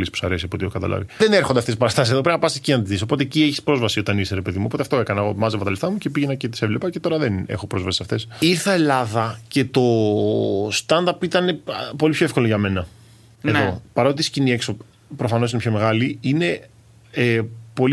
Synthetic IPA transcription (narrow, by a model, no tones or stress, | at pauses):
lispu̥sɐɾesiɐpo̞t̪iokɐt̪ɐ̰lɐ̰viðeneɾxod̪ɐft̪esipɐɾɐst̪ɐsiseðo̞pɾenɐpɐse̥cinɐt̪izðiso̞po̞t̪eːcieçi̥spɾo̞zvɐsio̞t̪ɐniseɾepe̞ðimuopoeɐft̪o̞ekɐnɐɣo̰mɐzevɐt̪ɐleft̪ɐmuce̞piʝenɐcet̪i̥sevlepɐce̞t̪o̞ɾɐðene̞̰xo̞pɾo̞zvɐsi̥sɐft̪e̞siɾθɐe̞lɐðɐce̞t̪o̞ | st̪ɐnd̪ɐpit̪ɐne̞po̞lipçoefko̞loʝɐme̞nɐ | eðo̞pɐɾot̪isciniekso | pɾofɐno̞sinpço̞me̞ɣɐliine̞ | epo̞li